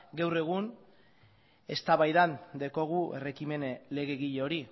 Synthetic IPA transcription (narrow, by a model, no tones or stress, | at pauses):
ɡawre̞ɣ̞un | e̞st̪aβajðand̪eko̞ɣ̞ue̞̰re̞kime̞nle̞ɣe̞ɣiʎeo̞ɾi